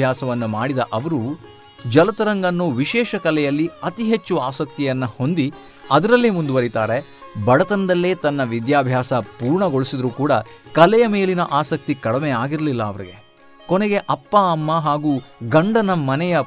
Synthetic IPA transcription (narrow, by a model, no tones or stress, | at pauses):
bʱjaːsɐʋɐnːumaːɽid̪ɐʔɐʋɐɾu | d͡ʒɐlɐt̪ɐɾɐŋɡɐnːuːʋiʃɛːʃɐkɐlɛjɐlːiɐt̪iɦet͡ʃːuʋɐaːsɐk̚t̪ijɐnːɐho̞nd̪i | ɐd̪ɐɾɐlːimund̪uʋɐɾit̪aːɾe | bɐɽɐt̪ɐnd̪ɐlːeːt̪ɐnːɐʋid̪jaːbʱjaːsɐpuːɾɳɐɡo̞ɭisid̪ɐɾuːkuːɽɐkɐlɛjɐme̞ːlinɐʔaːsɐk̚t̪ikɐɽɐmɛjaːɡiɾlilːɐːʋɐɾiɡe̞̰ | koneɡe̞ʔɐpːɐɐmːɐɦaːɡuːɡɐɳɖɐnɐmɐnɛjɐ